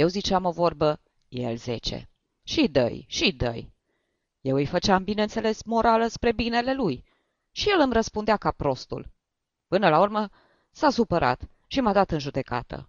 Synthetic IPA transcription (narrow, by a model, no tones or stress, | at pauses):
je̞wzit͡ʃamo̞vo̞rbə | je̞̰lze̞̰t͡ʃḛ | ʃid̪ə̰jʃid̪ə̰j | je̞wɨjfət͡ʃambineɨnt̪se̞le̞smo̞ɾʔaləspɾe̞bine̞le̞luj | ʃije̞lɨmɾəspund̪eakapɾo̞st̪ṵl | pɨnəlaurmə | sasupəɾʔa̰t̪ | ʃimad̪at̪ɨnʒud̪e̞ka̰t̪ʰə̰